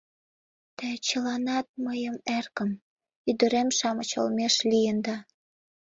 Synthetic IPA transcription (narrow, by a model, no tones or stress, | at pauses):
t̪ət͡ɕəlɑnɑt̪̚məjəmerkəm | yd̪ə̆ɾemʃɑmət͡ɕo̰lmeʃlijənd̪ɑ